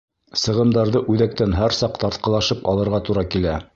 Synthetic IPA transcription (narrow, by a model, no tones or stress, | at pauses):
sɤ̆ʁɤ̆md̪ɑɾðɤʔʉðæk̚t̪ænɦæɾsɑqt̪ɑɾt̪qɑlˠɑʃɤpɑ̰lˠɤ̆ɾʁɑt̪uɾɑkilæ